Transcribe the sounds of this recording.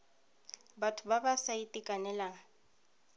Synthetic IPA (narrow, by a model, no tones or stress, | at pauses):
batʰʊbabasaitʼikʼanɛlaŋ̩